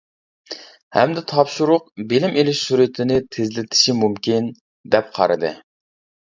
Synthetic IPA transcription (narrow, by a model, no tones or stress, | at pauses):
hɛmd̪ɪt̪ʰɑpʃuɾʊqbɪlɪmʔelɪʃsuɾɪt̪ʰɪnɪt̪ʰezlɪt̪ʰɪ̥ʃimumkʲin | d̪ɛp̚qʰɑ̰ɾɨd̪ɨ